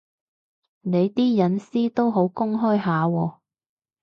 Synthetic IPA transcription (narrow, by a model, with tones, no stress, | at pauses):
ne˨˧jt̪iː˥jɐ˨˥nsiː˥t̪o˥wɦo˨˥wkʊ˥ŋɦɔː˥jɦaː˨˧wɔː˧